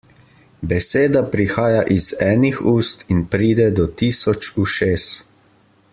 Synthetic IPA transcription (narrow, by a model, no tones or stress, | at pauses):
bɛseːd̪apɾixaːjaʔizɛːnixuːst̪inpɾiːd̪ɛd̪ɔt̪iːsɔt͡ʃuʃeːs